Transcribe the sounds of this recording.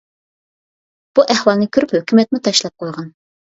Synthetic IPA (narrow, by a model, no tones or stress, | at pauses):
b̥uʔæhwɑlˠnɨkʲʰyɾyphøkʲymɛt̪̚mut̪ʰɑʃlˠɑp̚qʰojʁɑn